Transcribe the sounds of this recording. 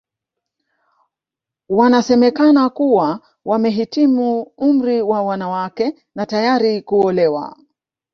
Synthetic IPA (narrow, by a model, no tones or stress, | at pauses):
wanasɛmɛkanakuwa | wamɛɦitimuum̩ɾiwawanawakɛ | natajaɾikuɔlɛwa̰